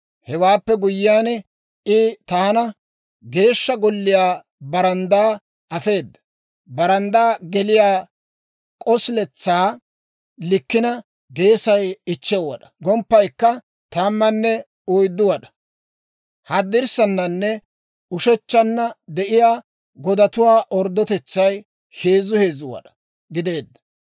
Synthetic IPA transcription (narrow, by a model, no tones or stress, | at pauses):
hɛwaːpːɛɡʊjːɪjaːnɛ | ʔɪt̪aːnɐ | ɡe̞ːʃːɐɡɔlːɪjaː | bɐɾɐnd̪aː | ʔɐfe̞ːd̪ːɐ̥ | bɐɾɐnd̪aːɡɛlɪjaː | kʼɔsɪlɛt͡sːaː | lɪkːɪnɐ | ɡe̞ːsɐjɪt͡ʃːɛwɐ̰ɗɐ̥ɡɔmpːɐjkːɐ | t̪ɐmːɐnːɛ | ʊjd̪ːʊwɐɗɐ̥ | hɐd̪ːɪɾsɐnːɐnːɛ | ʊʃɛt͡ʃːɐnːɐd̪ɛʔɪjaː | ɡɔd̪ɐt̪ʊwaːʔɔɾd̪ːɔt̪ɛt͡sːɐj | he̞ːzʊhe̞ːzʊwɐ̰ɗɐ̥ | ɡɪd̪e̞ːd̪ːɐ̥